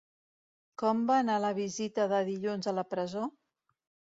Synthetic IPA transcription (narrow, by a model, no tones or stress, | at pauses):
kɔmbaːnaləβ̞izit̪əðəðiʎunzələpɾəzo